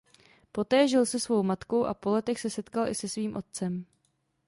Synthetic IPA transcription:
po̞t̪ɛːʒɪlsɛsvo̞wmat̪ko̞wʔa̰po̞lɛt̪ɛxsɛsɛt̪kalʔɪ̰sɛsviːmʔo̞t̪̚t͡sɛm

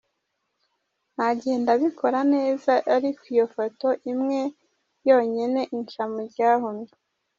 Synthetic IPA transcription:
n̥haɟieːendaβikʰo̞ɾane̞ːzaʔaɾikwijofoto̞ʔimŋe̞ | jo̞ːɲene̞ʔinʃamuɾɟaːɦomɲo

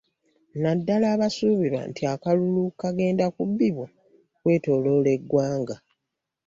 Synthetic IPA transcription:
nadːalaːβasuːβiɾa̰ntʰiakalulukaɡe̞ːndakubːiβo̞ | kwe̞ːto̞ːlo̞ːle̞ɡːwaːŋɡa

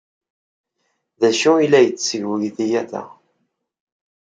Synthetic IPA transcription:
ðæʃuilːæjət͡sːsəʝwəʝθijæθæ̰

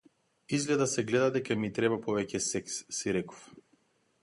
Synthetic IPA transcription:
izɡlɛd̪asɛɡlɛd̪ad̪ɛkamit̪ɾɛbapɔvɛcɛsɛksːiɾɛkɔ̥f

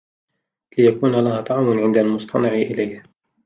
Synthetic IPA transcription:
lɪjakuːnalahaːt̪ˤɑʕmʊnʕɪnd̪almʊst̪ʰɑnɪʕʔɪlajh

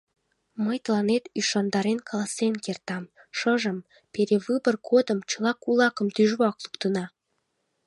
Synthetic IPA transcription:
məjt̪əlɑnet̪yʃɑnd̪ɑɾenkʰɑlˠɑsenkert̪ɑm | ʃəʒəm | peɾeβɨbərkʰod̪əmt͡ɕəlˠɑkulɑkəmt̪yʒβɑklukt̪ənɑ

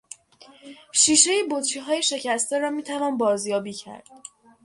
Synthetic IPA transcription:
ʃiːʃe̞jebot̪t͡ʃʰiɦɒːjeʃe̞cʰæst̪eɾɒːmiːt̪ʰævɒːnbɒːzjɒːbiːcʰæ̰ɾd̪̥̚

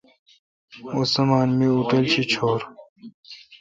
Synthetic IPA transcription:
osɐmaːnmiut̪ɐlt͡ɕʰit͡ɕʰoːɾ

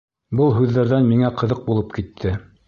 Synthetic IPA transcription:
bɤlˠɦʉðːæɾðænmiŋæqɤ̆ðɤq̚bulˠɤpkit̪ʰːɘ

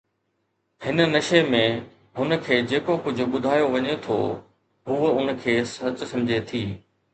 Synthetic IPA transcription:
hɪnə̆nɐʃemẽ | ɦʊnə̆kʰeːd͡ʑeːkokʊd͡ʑʱʊ̆ɓʊd̪ʱaːjoʋɐɲet̪ʰo̰ː | ɦuːʊn̆kʰeːsɐt͡ɕsɐ̃md͡ʑʱet̪ʰiː

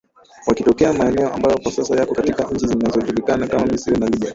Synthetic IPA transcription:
wakitɔkɛamaɛnɛɔʔa̰mbajɔkwasasajakɔkatikaɲ̩t͡ʃizinazɔʄulikanakamaisiɔnaliɓa

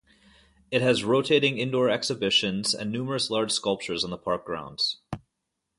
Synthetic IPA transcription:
ɨt̚ɦɨzɹoʊtʰeɪɾɪ̃ŋɪ̃ndɔɹɛksɨbɪʃɨ̃nzɨ̰̃nːʉmə˞ɨslɑɹd̥ʒ̥skʌlˠp̚t͡ʃə˞zn̩ðəpʰɑɹk̚ɡ̥ɹã̰ʊ̃ndz̥

